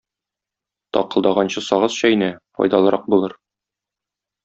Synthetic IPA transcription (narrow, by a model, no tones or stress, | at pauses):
t̪ɒ̰qɤ̆lˠd̪ɑʁɑnɕɤsɒʁɤsɕɒinæfɒ̰jd̪ɑlˠɤ̆ɾʔɑq̚bulˠɤɾ